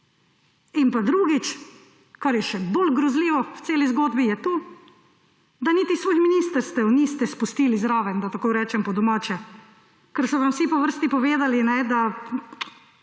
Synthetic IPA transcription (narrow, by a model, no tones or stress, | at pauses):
inpad̪ɾuːɡit͡ʃ | kaɾjɛʃɛbolɡɾɔzliːʋɔwt̪seːlizɡoːd̪bijɛt̪uː | d̪aniːt̪isʋoːjminist̪əɾst̪ɛwniːst̪ɛspust̪iːlizɾaːʋɛnd̪at̪akoɾɛːt͡ʃɛmpɔd̪ɔmaːt͡ʃɛ | kɛɾsɔʋamwsipɔʋəɾst̪ipɔʋeːd̪alinɛd̪a